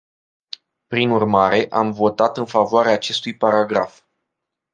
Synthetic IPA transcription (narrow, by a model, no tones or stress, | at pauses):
pɾinurmaɾe̞ʔamvo̞t̪at̪ɨnfavoaɾeaːt͡ʃe̞st̪ujpaɾaɡɾaf